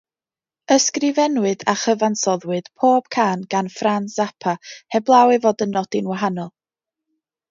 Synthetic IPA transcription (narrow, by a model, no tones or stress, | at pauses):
əskrɪvɛnwɨðaχəvansɔðwɨd̥pʰoːb̥̚kʰaːnɡ̥anfransapʰahɛblˠawɨvoːdənːɔd̥ɪnwaɦanɔlˠ